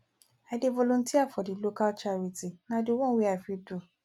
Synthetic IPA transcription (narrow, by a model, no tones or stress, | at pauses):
ɛdevɔlõntiafɔdilokat͡ʃaɾitinãdowɔ̃wiafidu